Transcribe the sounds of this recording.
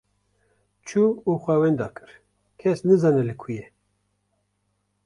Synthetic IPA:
t͡ʃʰuuxʷɛwɛnd̪ɑ̰ːkɨ̥ɾ | kʰɛsnɨzɑnɛlɨkʰujɛ

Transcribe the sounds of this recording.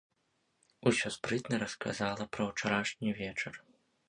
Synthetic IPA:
usʲɔspɾɨt̪nɐɾɐska̰zalˠɐpɾɐwt͡ʂaɾaʂnʲivʲɛt͡ʂɐr

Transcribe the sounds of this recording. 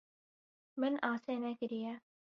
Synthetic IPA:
mɪnaːseːnɛːkɪɾijaː

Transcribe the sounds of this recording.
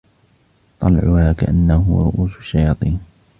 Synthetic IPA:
t̪ˤɑlʕʊhaːka̰ʔanːahʊɾʊʔuːsʃːajɑːt̪ˤiːn

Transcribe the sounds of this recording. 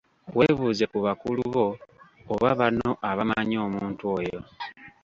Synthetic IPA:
we̞ːβuːze̞kuβakuluuβo̞ːβaβano̞ʔaβamaɲo̞ːmuːntuo̞jo̞

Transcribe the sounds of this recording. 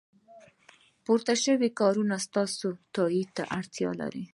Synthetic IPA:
poɾt̪aʃəwikɑɾunast̪ɑsot̪ɑit̪a̰ʔaɽt̪jɑ̰la̰ɾi

